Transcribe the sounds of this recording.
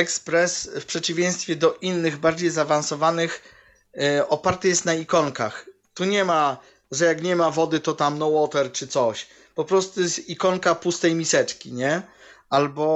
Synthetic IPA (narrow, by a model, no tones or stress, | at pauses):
ɛkspɾɛsfpʂɛt͡ɕivʲjẽj̃st̪fʲjɛd̪ɔʔinːɘɣbaɾd͡ʑejzavansɔvanɘx | ɔpaɾt̪ɘjɛst̪naikɔŋka̰x | t̪uɲɛma | ʐɛjakɲɛmavɔd̪ɘt̪ɔt̪amnɔwɔt̪ɛɾt͡ʂɘt̪sɔɕ | pɔpɾɔst̪ujɛsikɔŋkapust̪ɛjmʲisɛt͡ʂkʲiɲɛalbɔ